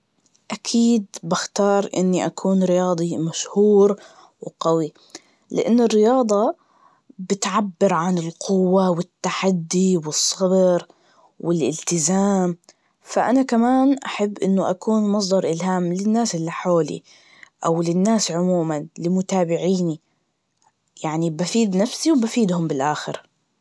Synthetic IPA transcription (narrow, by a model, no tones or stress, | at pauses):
ʔakʰiːd̪baxt̪ɑːɾˤʔɪ̰nːiʔakʰuːnɾɪjɑːd̪ˤimaʃhuːɾ | wqawi | lɪ̰ʔanːɪrːɪjɑːd̪ˤɑ | bɪt̪ʕabːɪɾʕanɪlqʊwːawɪt̪ːaħad̪ːiwɨsˤːɑbɾ | wɪlʔɪlt̪ɪzaːm | faʔanakamaːnʔaħabːʔɪnːʊʔakuːnmɑs̬ˤd̪ˤɑɾˤʔɪlɦaːmlɪnːaːsʔɪlːiħoːlḭ | ʔawlɪnːaːsʕʊmuːmanlɪmʊt̪aːbɪʕiːni | jaʕnibafiːd̪nafsiwbafiːd̪hʊmbɪlʔaːxɪɾ